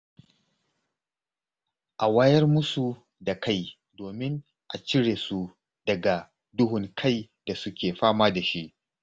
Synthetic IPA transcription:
ʔa˨waː˦jɐ˦rmʊ˦su˨ | da˨ka˦j | doː˨mɪ˦ŋ | ʔa̰˨t͡ʃɪ˦ɽeː˨su˦ | d̥ɐ˨ɡa˨ | dʊ˦ɦʊ˨ŋkʰa˦j | da˨sʊ˦kʲeː˨ɸaː˦maː˦da˨ʃi˦ʔ

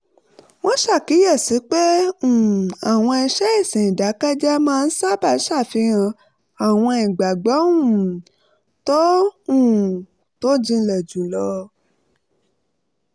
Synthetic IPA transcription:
w̃ɔ̃˦ʃa˦˨ki˨˦jɛ˦˨si˨˦k͡pe˦ũ˨a˨w̃ɔ̃˧i˧ʃɛ˦i˦˨sĩ˨da˨˦ka˦d͡ʒa˦mãː˦˧n̩˦sa˦˨ba˦˧˨ʃa˦˨fi˧ɣã˧ | a˨w̃ɔ̃˧i˨ɡ͡ba˨ɡ͡bɔ˨˦ũ˦˨ | tɔ˦ũ˦˨ | to˦d͡ʒĩ˧lɛ˨d͡ʒũ˨˦lɔ˧

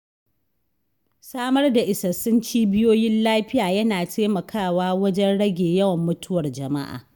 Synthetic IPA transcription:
saː˦mɐ˦rda˨ʔɪ˨sɐ˨sʊ˦nt͡ʃiː˦bɪ˦joː˦jɪ˦nlaː˦ɸɪ˦jaː˨jɐ˦naː˨tʰeː˦mɐ˨kʰaː˦˨waː˦wɐ˦d͡ʒɛ˦nɽɐ˦ɡʲeː˨jɐ˦wɐ˨mːʊ˦tʊ˦wɐ˨rd͡ʒɐ˨ma̰˦ʔa̰ː˨

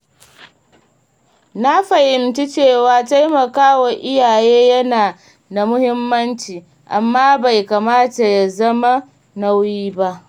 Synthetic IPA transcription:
na˦ɸɐ˨hɪ˨mt͡ʃi˦t͡ʃeː˦˨waː˦ta˦jmɐ˨kaː˦wɐ˨ʔɪ˦jaː˨jeː˦jɐ˦naː˨ | da˨mʊ˦hɪ˦mːɐ˦nt͡ʃiː˨ | ʔa˨mːaː˦ba˨jka˨maː˦ta˨ja˨zɐ˦ma˦ | na˦wjjiː˦ba˦ʔ

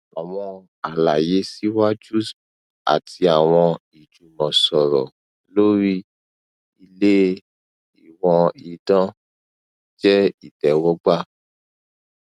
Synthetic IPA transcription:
a˨w̃ɔ̃˧ | a˨la˨je˨˦si˦wa˦d͡ʒu˦s | a̰˨tʰi˧a˨w̃ɔ̃˧i˨d͡ʒu˨mɔ̃˨sɔ˨ɾɔ̰˨ | lo˦ɾi˦ | i˧le˦ | i˨wɔ̃˧i˨dã˦ | d͡ʒɛ˦i˨dɛ˨wɔ˦ɡ͡ba˦

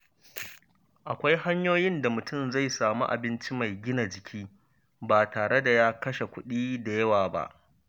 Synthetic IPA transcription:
ʔa˨kʷa˦jha˦ɲjoː˦jɪ˦nda˨mʊ˨tʊ˦˨mza˦˨jsaː˨mṵ˦ʔa̰˨bɪ˦nt͡ʃi˦ma˨jɡʲɪ˦na˨d͡ʒɪ˨kʲʰiː˦ | ba˨taː˨ɽe˦da˨jaː˦kɐ˦ʃe˨kʷʊ˦ɗiː˦da˨jɐ˦waː˨ba̰˦ʔ

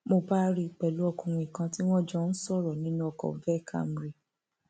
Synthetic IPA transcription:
mo˧ba˦ɾi˦˨k͡pɛ˨lu˨˦ɔ˧kũ˧˨w̃ĩ˨kã˧ti˦w̃ɔ̃˦d͡ʒɔ˦n̩˦sɔ˦˨ɾɔ˨nĩ˦nũ˦ɔ˨kɔ̰˨vɛ˦˨kʰa̰˦m˨ɾi˨

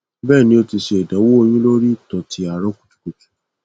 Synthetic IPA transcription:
bɛ˦˨nĩ˧˦o˧ti˧ʃe˧e˨da˨˦wo˦o˧j̃ũ˦lo˦ɾi˦˨tɔ˨tʰi˦a˨ɾɔ˦ku̥˨tu̥˨˦ko˨˧tu̥˦

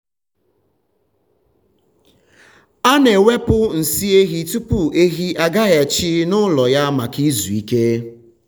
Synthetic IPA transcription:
a˦ne˨we˦pʊ˦n̩˨si˦e˦ɣi˨tu˦pʊ˨e˦ɣi˦ʔa˦ɡa˦ɣa˨t͡ʃi˦nʊ˦lɔ˨ja˦ma˨ki˦zu˨i˦ke˦

